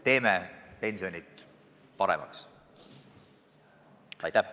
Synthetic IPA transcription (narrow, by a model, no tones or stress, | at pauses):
t̪e̞ːmepe̞nʲsio̞nʲit̪ | pɑɾḛmɑ̰ks | ɑ̰jt̪ːæh